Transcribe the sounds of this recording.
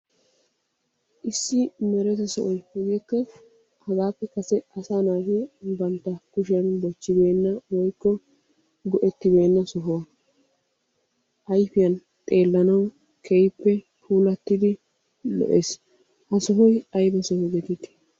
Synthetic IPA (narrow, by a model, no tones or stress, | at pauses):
ʔɪsːɪmɛɾɛt̪ɪsɔʔɔjhɔɡiːkːɐ | hɐɡaːpːɛkɐsɛɐsaːnaːɡebɐnt̪ːɐkʊʃɪjɐnbɔt͡ʃːɪbe̞ːnːɐwɔjkːɔ | ɡɔʔɛt̪ːɪbe̞ːnːɐsɔɦʊwɐ | ʔɐjfɪjɐn | t̪ʼe̞ːlːɐnɐw | kʰɛjpːɛ | pʰuːlɐt̪ːɪd̪ɪ | lɔ̰ʔeːs | hɐsɔɦɔjɐjbɐsɔhɔɡɛt̪ɪt̪ɪ̥